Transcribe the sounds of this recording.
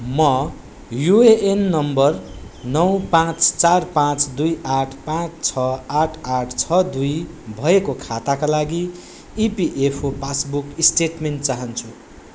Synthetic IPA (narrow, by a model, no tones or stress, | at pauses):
mʌ | jueʔenːʌmbʌrnʌwpãt͡st͡sarpãt͡sd̪ujaʈʰpãt͡st͡sʰʌaʈʰaʈʰt͡sʰʌd̪uj | bʱʌekokʰat̪akalaɡi | ipiʔepʰopasbukisʈeʈmenʈt͡saɦʌnt͡sʰu